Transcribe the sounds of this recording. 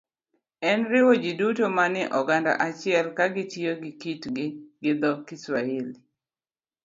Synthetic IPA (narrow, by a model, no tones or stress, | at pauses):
ɛnɾɪwod͡ʒidutomanɪʔɔɡanda̰ʔat͡ʃɪɛlkaɡɪtioɡɪkitɡɪɡɪd̪ɔkiswael